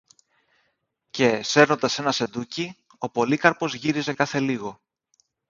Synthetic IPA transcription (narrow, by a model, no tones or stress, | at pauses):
ce̞se̞ɾno̞nd̪ɐse̞nɐse̞nd̪uci | o̞po̞likɐɾpo̞zʝiɾize̞kɐθe̞liɣo̞